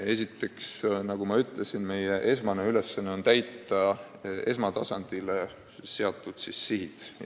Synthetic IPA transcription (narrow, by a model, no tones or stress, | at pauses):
e̞sʲit̪ːˑe̞ksnɑɡ̥umɑyt̪ˑlesinme̞jeʔe̞smɑneyle̞sːɑnːeo̞nt̪æjt̪ˑːɑ | e̞s̬mɑt̪ɑsɑnd̪̥ile | se̞ɑt̪ˑːud̪̥sisːiɦit̪